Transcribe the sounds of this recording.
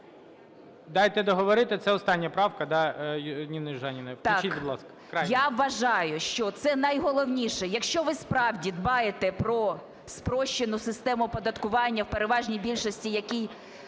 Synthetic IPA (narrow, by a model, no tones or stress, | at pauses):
d̪ɑjt̪ɛd̪ɔɦɔʋɔɾɪt̪ɪt̪sɛɔst̪ɑnʲːɐpɾɑwkɐd̪ɑjnʲinɪʒɑnʲinɐt̪ɑibid̪ˠɑskɐ̥kɾajaʋːɐʒɑjʊʃt͡ʃɔt̪sɛnɐjɦɔlˠɔwnʲiʃɛjɐkʃt͡ʃɔʋɪspɾɑwdʲid̪bɑjet̪ɛpɾɔ | spɾɔʃt͡ʃːɪnʊsɪst̪ɛmʊpɔd̪ɐt̪kʊʋɑnʲːɐwpeɾeʋɑʒnʲijbʲilʲʃɔsʲtʲijɐkʲij